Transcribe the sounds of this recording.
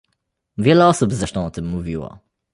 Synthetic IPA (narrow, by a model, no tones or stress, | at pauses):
vʲjɛlɛɔsubzɾɛʂt̪ɔ̃w̃ɔt̪ɘmːuvʲiwɔ̰